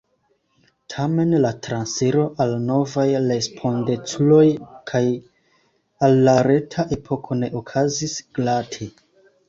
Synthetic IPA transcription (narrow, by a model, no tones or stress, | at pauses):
tʰame̞nlatɾanseɾo̞ʔalno̞vajɾe̞spʰo̞nde̞t͡sulo̞jkʰaj | alːaɾe̞tʰaʔe̞pʰo̞kʰo̞ne̞ʔokʰazisɡ̥latʰe